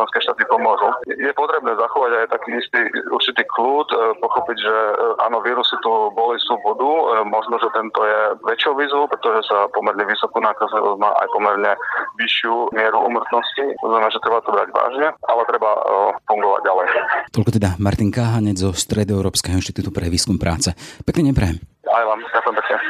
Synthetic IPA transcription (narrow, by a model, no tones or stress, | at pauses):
ɛnskɛːʃt̪aːt̪ipɔmʊɔʒujɛpɔt̪ɾɛbnɛːzaxɔʋaɟajt̪akiːist̪iṵɾt͡ʃit̪iːkluːt̪pɔxɔpiɟʒɛʔa̰ːnɔʋiːɾusit̪ubɔlisubɔd̪umɔʒnɔʒɛt̪ɛnt̪ɔjɛʋɛt͡ʃɪɔʊʋiːzʋɔʊpɾɛt̪ɔʒɛsapɔmɛɾɲɛʋisɔkuːnaːkazliʋɔ̰zɟma̰ːʔa̰jpɔmɛɾɲɛʋiʃɪumɪɛɾuʔṵmr̩t̪nɔscit̪ɔ̰znamɛnaːʒɛt̪ɾɛbat̪ɔbɾa̰ɟʋa̰ːʒɲɛʔalɛt̪ɾɛbafuŋɡɔʋa̰ɟːalɛjt̪ɔʎkɔt̪ɛd̪amaɾt̪iŋkaɦaɲɛd͡zzɔst̪ɾɛd̪ɔɛʊɾɔːpskɛːɦɔinʃt̪it̪uːt̪upɾɛʋiːskumpɾʔa̰ːt͡sɛpɛkniːɲɛbɾɛjɛmajlamɟakujɛmpɛkɲɛ